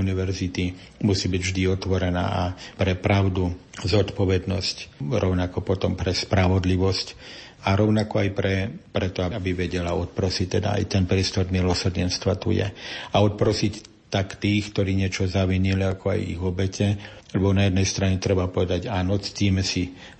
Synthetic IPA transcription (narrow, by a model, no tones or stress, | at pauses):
uniʋɛɾzit̪i | musiːbiɟvʒd̪iɔt̪ʋɔɾɛna̰ːapɾɛpɾaʊd̪uzɔt̪pɔʋɛd̪nɔscɾɔʊnakɔpɔt̪ɔmpɾɛspɾaʋɔd̪liʋɔsc | aɾɔʊnakɔajpɾɛpɾɛt̪ɔaabiʋɛɟɛlaɔt̪̚pɾɔsict̪ɛd̪a̰a̰jt̪ɛnpɾɪɛst̪ɔɾmilɔsr̩ɲɛnst̪ʋat̪ṵjɛ̰aɔt̪̚pɾɔsic | t̪akt̪iːxkt̪ɔɾiːɲɪɛt͡ʃɔzaʋiɲiliakɔa̰jḭɣɔbɛcɛ | lɛbɔnajɛd̪nɛjst̪ɾaɲɛt̪ɾɛbapɔʋɛd̪aɟaːnɔt͡st̪iːmɛsi